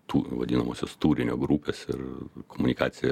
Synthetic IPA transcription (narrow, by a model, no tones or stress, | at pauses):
t̪uːʋɐ̰dʲiːnɐmoːsʲoːst̪uːɾʲɪnʲoːɡɾuːpʲeːsɪɾkomʊnʲɪkɑ̰ːsʲɪjɛ